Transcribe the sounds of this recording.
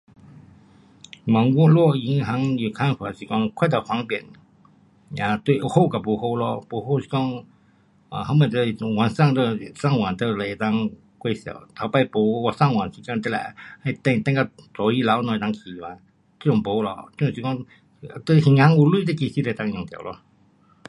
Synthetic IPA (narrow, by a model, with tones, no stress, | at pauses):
ma˨˦ŋwɔ˥˨lwɔ˥˧˨i˨˧˦ŋɦa˧˥ŋju˨˩kʰa˧˥nfa˨si˨˩kɔ˥˧ŋkʰwa˥˧˨t̪ə˧˩hwa˧˦ŋpjɛ̰˨˩n | a˧t̪we˧˨ʔu˧ho˥˧˨ka˨˩po˨˧˩ho˥˧˨lɔ˧po˧˦ho˥˨si̥˧˩kɔ˥˧ŋ | a˨ha˧˦ŋmə˧˨˩t̪ə˧˩wa˨nsa˥˧ŋt̪ə˧˩sa˥˧˨ŋwa˨˩nt̪ə˧le˧˨e˨˩t̪a˥˧ŋ | kwe˥˧˨sja̰˨˩˨t̪ʰa˨˧˦pa˧ɪpo˧˦˧wa˧˩sa˥˧˨ŋwa˨˩nsi˧ka˥˧t̪ə˥˧la̰˧˩a˧jt̪ɛ˥˧ŋt̪ɛ̃˥˧ŋka˧˩t͡sɔ˨˩i˧˥la˧˦wnɔ˧˨˧t̪ã˧ŋkʰi˨˩wa˨˧˦ | t̪ə˧˥˦jʊ̃˨ŋpo˧˦lɔ̰˧t̪si˨kɔ˥˧ŋ˧ | t̪ə˧˨hĩ˧ŋha˧˥ŋu˧lwu˥˨t̪ə˧˩ki˧˩si˧˥lt̪a˥˧ŋjʊ̃˨ŋt̪ja̰˨˩˨lɔ̰˧